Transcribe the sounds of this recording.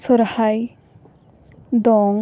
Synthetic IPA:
sɔɾhaj | d̪ɔŋ

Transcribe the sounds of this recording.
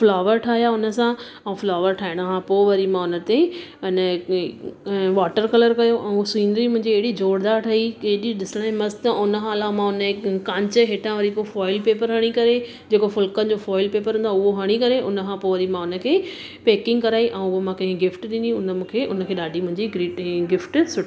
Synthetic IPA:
flaːʋəɾʈʰaːɦijaʊnə̆sã | ɛ̃ũflaːʋəɾʈʰaːɪɽ̃akʰãpoːʋɐɾimãʊnə̆t̪eɪnə | ʋaːʈəɾkɐləɾkɐjoʔɛ̃ũsiːnɾimʊ̃ɦɪ̃ɲd͡ʑiːɦɪɽid͡ʑoːɽd̪aːɾʈʰɐikeɦɗiɗɪsəɽ̃aẽmɐst̪aʊnə̆xaːlãmãʊnəekkãːɲt͡ɕəɦeːʈʰãʋɐɾipofɔːɪlpeːpəɾɦɐɽ̃ikɐɾe | d͡ʑeːkofʊlkənɪ̆d͡ʑofɔːɪlpeːpəɾɦũːnd̪aʊɦoɦɐɽ̃ikɐɾeʔʊnəkʰãpoːʋɐɾimãʊnə̆kʰeː | peːkɪ̃ŋɡkɐɾaːiʔɛ̃ũʊɦomãkɐ̃ɦɪ̃ɡɪfʈɗɪ̃nd̪ĩʊnəmũːkʰeːʔʊnəkʰeːɗaːɖʱimʊ̃ɦɪ̃ɲd͡ʑiɡɾiːɡɪfʈsʊʈʰi

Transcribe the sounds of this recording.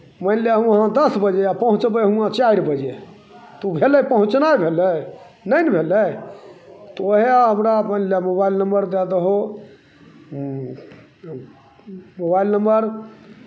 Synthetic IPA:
mənleɦũəɦãd̪əsbəd͡ʒeapəɦũt͡ʃbəɦũãt͡ʃaiɾbəd͡ʒe | t̪ubʱeləpəɦũt͡ʃnajbʱelə | nəjnbʱeləj | t̪oɦeɦəmɾamənlemobailnəmbəɾd̪ad̪əɦo | mobailnəmbəɾ

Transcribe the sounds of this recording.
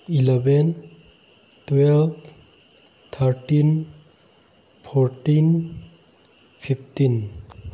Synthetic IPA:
ilebɛn | twɛlb | t̪ʰaɾʈin | pʰɔɾtin | pʰipʰtin

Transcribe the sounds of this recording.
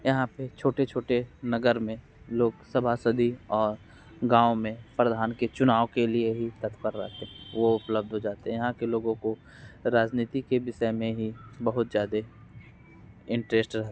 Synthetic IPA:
jɐɦãpet͡ʃʰoːʈet͡ʃʰoːʈenɐɡəɾmẽ | loːɡsɐbʱasəd̪ʱiɔːɾ | ɡãːomẽpɾd̪ʱaːnket͡ʃʊnaːokelieɦit̪ɐt̪kəɾːɐ̰ɦt̪eɦɛ̃ʋoʊpləb̚d̪ʱɦod͡ʒaːt̪eɦɛ̃jɐɦãkeloːɡõko | ɾaːd͡ʒniːt̪ikeʋɪʃəjmẽɦibɐɦʊt̪zjaːd̪e | ɪ̃ɳʈɾeːsʈɾɐɦt̪ː

